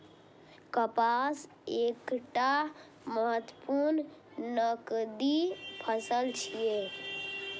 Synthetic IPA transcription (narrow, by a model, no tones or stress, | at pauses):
kəpas | ekʈa | məɦət̪ːəpuɾn | nəkd̪ipʰəsəlt͡ʃʰije